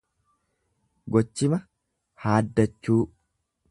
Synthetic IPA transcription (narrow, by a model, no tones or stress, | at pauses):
ɡɔt͡ʃːɪmɐ | haːd̪ːɐt͡ʃːuː